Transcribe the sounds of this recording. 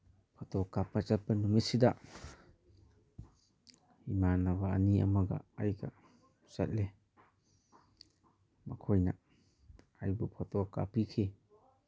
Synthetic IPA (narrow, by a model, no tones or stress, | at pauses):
pʰɔtɔkːapat͡ʃat̚pɐnumit̚sida | imanaβaːniɐ̰mɐɡɐ̰ajɡa̰ | sa̰t̚le | mɐkʰojna | ajbupʰɔtɔkːa̰pikʰi